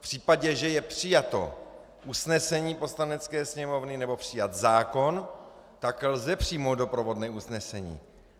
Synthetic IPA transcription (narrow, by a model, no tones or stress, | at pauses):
pr̝̥iːpaɟɛʒɛjɛpr̝̥ɪjat̪o̞̰ | ʔusnɛsɛɲiːpo̞slanɛt͡skɛːsɲɛmo̞vnɪnɛbo̞pr̝̥ɪjat̪zaːko̞n | t̪aklzɛpr̥iːmowd̪do̞pɾovo̞dnɛːusnɛsɛɲḭː